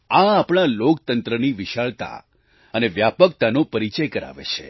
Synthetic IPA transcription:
ãapɳ̃alokt̪ənt̪ɾəniʋiʃaɭt̪a̰ | əneʋjapək̚t̪anopəɾit͡ʃəjkəɾa̰ʋḛt͡ʃʰḛ

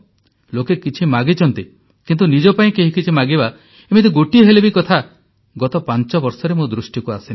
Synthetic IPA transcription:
lokekit͡ʃʰimaɡit͡ʃʰɔnt̪i | kint̪unid͡ʒɔpaĩkeɦikit͡ʃʰimaɡiba | emit̪iɡoʈiɔɦelebikɔt̪ʰa | ɡɔt̪ɔpant͡ʃɔbɔɾsɔɾemod̪ɾusʈikuasin

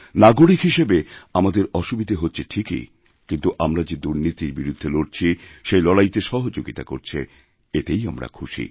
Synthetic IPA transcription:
naɡoɽikɦiʃebeamad̪eɾɔʃubid̪ʱeɦotːɕʰeʈʰikḭ | kint̪uʔamɾad͡ʑed̪uɾnit̪iɾbiɾud̪ʱːeloɽt͡ɕʰiʃejlɔɽajt̪eʃɔɦod͡ʑoɡit̪akoɾt͡ɕʰe | et̪ejamɾa̰kʰuʃḭ

